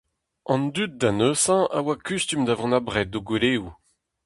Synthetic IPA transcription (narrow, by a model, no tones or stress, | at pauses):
ɑ̃nd̪yt̪̚d̪anøsɑ̃awakyst̪ymd̪avɑ̃nabʁɛt̪̚ːoɡweleːu